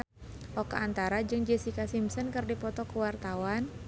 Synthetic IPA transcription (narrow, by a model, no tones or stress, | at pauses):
ʔɔkaant̪aɾad͡ʒɨŋd͡ʒesikasimsɔnkərdipɔt̪ɔkəwart̪awan